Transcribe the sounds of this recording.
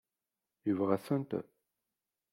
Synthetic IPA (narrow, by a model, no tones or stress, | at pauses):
jəvʁæθənt̪